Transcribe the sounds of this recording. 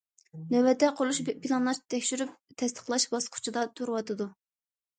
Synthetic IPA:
nɛwɛd̪ɛqʰolˠuʃbpʰilˠɑnlˠɑʃt̪ʰɛkʲʃyɾyp̚t̪ʰɛst̪ʰə̥χlˠɑʃbɑsqʰʊ̥t͡ʃʰɨd̪ɑt̪ʰuɾwɑt̪ʰɨd̪u

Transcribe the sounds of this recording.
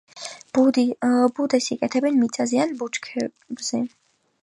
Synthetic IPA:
bud̪ɛsikʼɛt̪ʰɛbɛnmit̪sʼazɛanbut͡ʃkʰɛ | bz̥ɛ

